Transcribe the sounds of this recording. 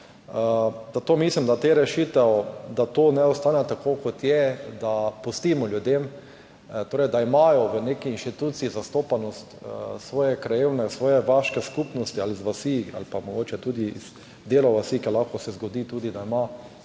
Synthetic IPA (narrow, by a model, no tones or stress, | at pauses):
zat̪oːmislimd̪at̪eːɾɛʃiːt̪ɛwd̪at̪oːnɛɔst̪aːnɛt̪akoːkot̪jɛd̪apust̪iːmɔljʊd̪em | t̪oːɾɛɪjd̪aimajɔʋənekiinʃt̪it̪ut̪siːzast̪oːpanɔst̪sʋɔːjɛkɾajewnɛsʋɔːjɛʋaʃkɛskuːpnɔst̪ializʋasia̰lpamɔɡoːt͡ʃɛt̪uːd̪iḭz̥ | d̪eːlɔʋasikɛlaxkɔsɛzɡod̪iːt̪uːd̪id̪aima